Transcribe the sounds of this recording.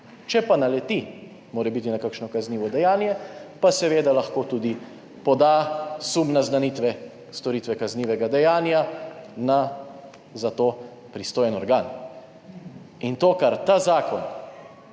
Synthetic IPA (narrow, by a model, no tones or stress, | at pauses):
t͡ʃɛpanalɛt̪i | moːɾɛbit̪inakakʃnɔkazniːʋɔd̪ɛjaːnjɛpasɛʋeːd̪alaxkoːt̪ud̪i | pɔd̪asumnaznanit̪ʋɛ | st̪ɔɾiːt̪ʋɛkazniːʋɛɡad̪ɛjaːnjana | zat̪o | pɾist̪oːjɛnɔɾɡaːn | int̪oːkaɾt̪azaːkɔn